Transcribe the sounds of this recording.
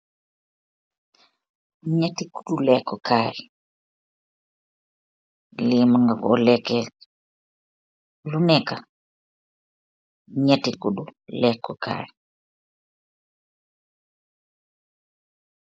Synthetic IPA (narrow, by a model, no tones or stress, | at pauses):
ɲatiku̥ɗulɛkːɔkaɾi | limaŋɡakɔlɛkɛ | lunɛka | ɲatikuɗulɛkːɔka̰ɾi